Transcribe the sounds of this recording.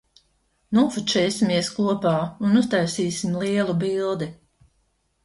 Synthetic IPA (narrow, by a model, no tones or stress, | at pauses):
nuɔfut͡ʃɛːsimiɛskuɔpaːunust̪ajsiːsimlˠiɛlˠubilˠd̪i